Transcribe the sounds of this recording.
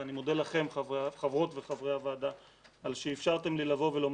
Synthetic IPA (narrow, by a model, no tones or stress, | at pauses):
animo̞d̪elaχe̞mχavʁo̞t̪ve̞χavʁeavaːd̪a | alʃeːfʃaʁt̪e̞mlilavo̞velo̞m